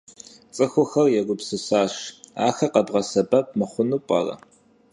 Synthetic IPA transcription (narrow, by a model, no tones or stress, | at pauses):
t͡sʼɨxʷʊxɐrjɛɡʷʊpsɨsaːʃaːxɐqɐbʁɐsɐbɐp̚ʼmɨχʷʊnupʷʼɐ̰rɐ̰